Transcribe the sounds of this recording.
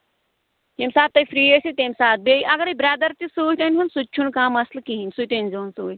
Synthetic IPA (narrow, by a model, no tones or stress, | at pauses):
jemsaːt̪̚ːɐjfʰɾiːesit̪emʲsaːt̪̚beːiʔɐɡɐɾɐjbɾad̪ɐɾt̪isuːt̪ɐnʲɦunsut͡ʃʰunkãːmɐslkiinʲsut̪enʲzoːnsuː